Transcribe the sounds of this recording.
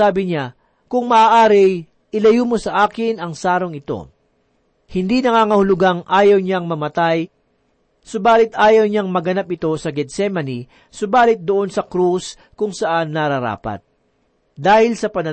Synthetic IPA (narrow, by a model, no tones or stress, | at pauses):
aːbɪɲa | kʊŋmɐʔaːʔaːɾɪ | ʔɪlɐjumo̞sɐʔaːkɪnɐŋsaːɾo̞ŋɪt̪o̞̰ | hɪnd̪inɐŋaːŋɐhʊlʊɡaŋʔaːjɐwɲaŋmɐmɐt̪aj | sʊbaːlɪt̪ʔaːjɐwɲaŋmɐɡɐnapɪt̪o̞sɐɡɛd̪sɛmɐni | sʊbaːlɪt̪̚d̪oʔo̞nsɐkɾus | kʊŋsɐʔanːɐɾɐɾa̰ːpɐ̰t̪̚ | d̪aːhɪlsɐpɐnɐ